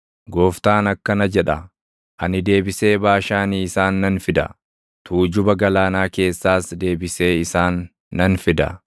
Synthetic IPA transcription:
ɡoːft̪aːnɐkːɐnɐd͡ʒɛᶑɐ | ʔɐnɪd̪e̞ːbɪse̞ːbaːʃaːniːɪsaːnːɐnfɪd̪ɐ̰ | t̪ʰuːd͡ʒʊbɐɡɐlaːnaːke̞ːsːaːsd̪e̞ːbɪse̞ːɪsaːnː | ɐnfɪd̪ɐ̰

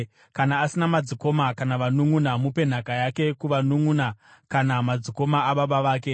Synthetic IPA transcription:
kanaːsinamad͡ziko̞makanaʋanuŋunamupe̞n̤akajake̞kuʋanuŋunakanamad͡ziko̞maaɓaɓaʋaːke̞

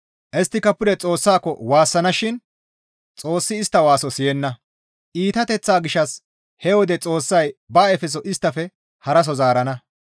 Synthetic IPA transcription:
ʔɛst̪ːɪkɐpːʊd̪ɛt͡sʼo̞ːsːaːkːɔwaːsːɐnɐʃɪn | t͡sʼo̞ːsːɪːst̪ːɐwaːsɔsɪjɛnːɐ | ʔiːt̪ɐt̪ɛt͡sːaːɡɪʃːɐs | hɛwɔd̪ɛt͡sʼo̞ːsːɐjbaːɛfɛs̬ɔʔɪst̪ːɐfɛ | hɐɾɐs̬ɔzaːɾɐnɐ

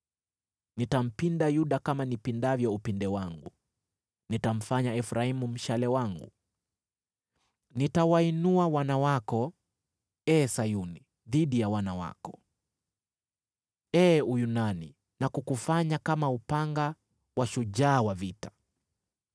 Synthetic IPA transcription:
nitam̩pindajuɗakamanipindavjɔupindɛwaŋɡu | nitam̩faɲaɛfɾaimum̩ʃalɛwaŋɡṵ | nitawainuawanawakɔ | ɛːsajuni | ðiɗijawanawa̰kɔ̥ | ɛːujunanḭ | nakukufaɲakamaupaŋɡa | waʃuʄaːwavitḁ

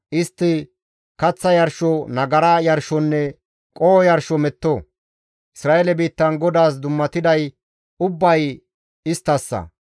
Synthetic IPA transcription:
ʔɪst̪ːɪ | kɐt͡sːɐjɐɾʃɔnɐɡɐɾaːjɐɾʃɔnːɛ | kʼoːjɐɾʃɔmɛt̪ːɔ | ʔɪsɾaːʔɛlɛbiːt̪ːɐnɡɔd̪aːs̬d̪ʊmːɐt̪ɪd̪ɐj | ʊbːɐj | ɪst̪ːɐsːɐ̰

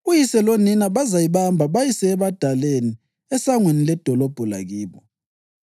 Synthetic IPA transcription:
ujisɛloninaβazajiβambʱaβajisɛːβad̥ʱaleni | ɛsaŋwenilɛd̥ʱɔlɔb̥ʱɔla̰ɣiːβɔ

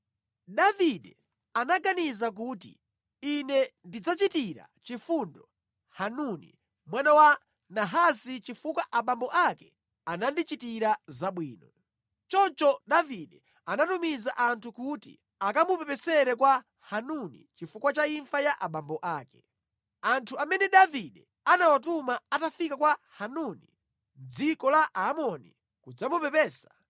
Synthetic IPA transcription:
ɗaviɗɛ | anaɡanizak̬uːtḭ | inɛndid͡zat͡ʃitiɾa̰t͡ʃifundɔ | hanunḭ | mwanawa | naɦasit͡ʃifukwaʔaɓambɔʔakɛ | anandit͡ʃitiɾazaɓwiːnɔ | t͡ʃɔt͡ʃɔɗaviɗɛ | anatumizaʔantʰukutḭ | akamupɛpɛsɛɾɛkwa | hanunḭt͡ʃifukwat͡ʃaiɱfajaʔaɓambɔʔaːkɛ̥ | antʰuamɛnɛɗaviɗɛ | anawatumaatafikakwahanunḭ | d͡zikɔlaʔmɔnḭ | kud͡zamupɛpɛːsḁ

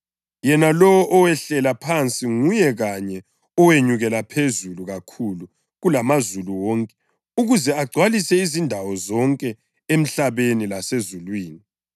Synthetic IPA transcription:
jɛnalɔwɔʔɔwɛɬɛlapʰant͡sʼiŋujɛɣaɲɛ | ɔweɲuɣɛlapʰezuluɣakʰulu | ɣulamazuluwɔːŋkʼɛ̥ | uɣuzɛaɡ͡ǀʱwalisɛizindʱawɔzɔŋkʼɛ | em̩ɬaβenilasezulwiːni

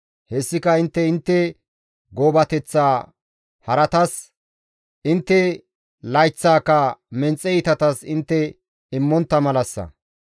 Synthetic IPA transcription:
hɛsːɪkɐɪnt̪ːɛɪnt̪ːɛ | ɡoːbɐt̪ɛt͡sːaː | hɐɾɐt̪ɐs | ʔɪnt̪ːɛ | lɐjt͡sːaːkːɐmɛnt͡sʼːɛɪt̪ɐt̪ɐsɪnt̪ːɛ | ɪmːɔnt̪ːɐmɐlɐsːɐ̰

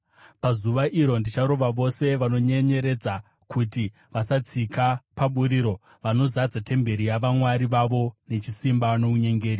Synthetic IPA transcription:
pazuʋaʔiɾo̞ndit͡ʃaɾo̞ʋaʋo̞se̞ʋano̞ɲe̞ɲe̞ɾe̞d͡za | kʰuti | ʋasat͡sikapaɓuɾiːɾo̞ | ʋano̞zad͡zate̞mbe̞ɾijaʋamwaɾiʋaʋo̞ne̞t͡ʃisimbano̞uɲe̞ŋɡe̞ːri

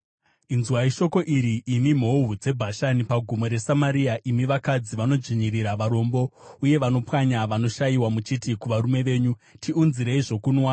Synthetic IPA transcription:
inzwaiʃo̞ko̞ʔiɾiʔimim̤oɦud͡ze̞bʱaʃanipaɡʱumo̞ɾe̞samaɾiaʔimiʋakad͡ziʋano̞d͡ʒiɲiriɾaʋaɾo̞mbouje̞ʋano̞pwaɲaʋano̞ʃajiwamut͡ʃitikuʋaɾume̞ʋe̞ːɲutʰiunziɾeiʐo̞kunwa

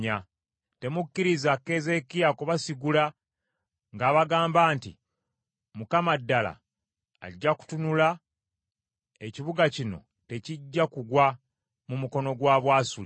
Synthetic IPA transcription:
a | te̞mukːiɾizakːe̞ze̞kijakuβasiɡula | ŋɡaːβaɡaːmbaːntḭ | mukamadːala̰ː | ɟːaku̥tunula | eciβuɡacino̞̰ | te̞ciɟːakuɡwa | mumuko̞no̞ɡwaːβwaːsuli

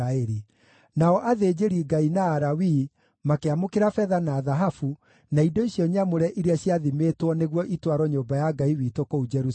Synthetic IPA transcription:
aɛɾi | naɔʔaðeːd͡ʑeɾiɡainaːɾawi | makeamokeɾafɛðanaːðaɦafu | naidoiɕjɔɲamoɾɛʔiɾeaɕjaðimetwɔneɣwɔʔitwaɾɔɲoːmbajaɡaiwiːtokoud͡ʒɛɾu

